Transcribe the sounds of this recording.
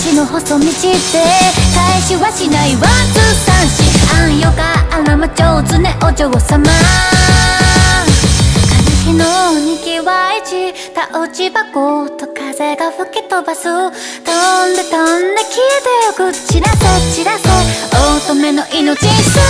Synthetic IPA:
t͡ɕinohosomʲit͡ɕit̪ekaiɕiβaɕinaiβat͡sɯsãɰ̃ɕiãjoɡaːmamat͡ɕot͡sɨneʔot͡ɕoɡosama | akanikinoɲikiβait͡ɕi | t̪aʔot͡ɕibakot̪okazeɡaɸɯ̟ket̪obaso | t̪ond̪at̪ond̪akʲʰiet̪ejokɯ̟t͡ɕiɾasot͡ɕiɾaseot̪omenoʔinot͡ɕĩ̥a

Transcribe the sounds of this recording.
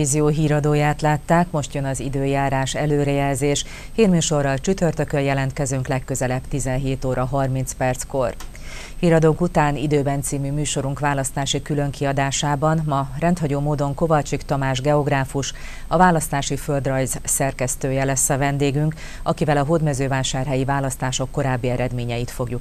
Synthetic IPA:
iːzijoːɦiːɾɒd̪oːjaːt̪laːt̪ːaːkmo̞ʃt̪jønɒzid̪øːjaːɾaːʃɛløːɾɛjɛlzeːʃ | hiːrmyːʃo̞rːɒlt͡ʃyt̪ørt̪økøjɛlɛnt̪kɛzøŋklɛkːø̞zɛlɛpt̪izɛnɦeːt̪oːɾɒɦɒrminspɛrt̪sko̞r | hiːɾɒd̪oːkut̪aːnid̪øːbɛnt̪siːmymyːʃo̞ɾuŋkʋaːlɒst̪aːʃikylø̞ŋkiɒd̪aːʃaːbɒnmɒɾɛnt̪hɒɟoːmoːd̪o̞ŋko̞vɒt͡ʃikt̪ɒmaːʒɡɛo̞ɡraːfuʃ | ɒvaːlɒst̪aːʃifø̞ld̪rɒjzsɛrkɛst̪øːjɛlɛsːɒvɛnd̪eːɡyŋk | ɒkivɛlɒɦoːd̪mɛzøːvaːʃaːrɦɛjivaːlɒst̪aːʃo̞kːo̞ɾaːbːiɛɾɛd̪meːɲɛjit̪fo̞ɡjuk

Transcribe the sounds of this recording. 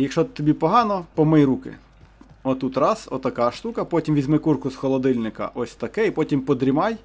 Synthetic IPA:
jɐkʃɔt̪ːɔbʲipɔɦɑnɔpɔmɪjɾukɪ̰ | ɔt̪ut̪rɑsɔ̰t̪ɐkɑʃt̪ukɐpɔtʲimʋʲizʲmɪkurkʊsxɔlˠɔd̪ɪlʲnɪkɐ̰ʔɔsʲt̪ɐkɛipɔtʲimpɔd̪ɾʲimɑj

